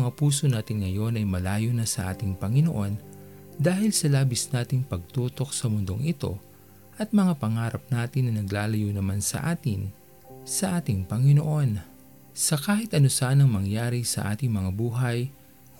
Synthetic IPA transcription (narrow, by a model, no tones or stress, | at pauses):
ŋapuːso̞naːt̪ɪnŋɐjo̞nɐjmɐlaːjonɐsɐʔa̰ːt̪ɪŋpɐŋɪno̞ʔo̞n | d̪aːhɪlsɐlaːbɪsnaːt̪ɪŋpɐɡ̚t̪uːt̪o̞k̚sɐmʊnd̪o̞ŋɪt̪o̞̰ | ʔɐt̪̚mɐŋapɐŋaːɾɐp̚naːt̪ɪnːɐnɐɡlaːlɐjonɐmansɐ̰ʔaːt̪ɪn | sɐʔaːt̪ɪŋpɐŋɪno̞ʔo̞n | sɐkaːhɪt̪ʔɐno̞saʔanɐŋmɐŋjaːɾisɐ̰ʔa̰ːt̪ɪŋmɐŋabuːɦɐj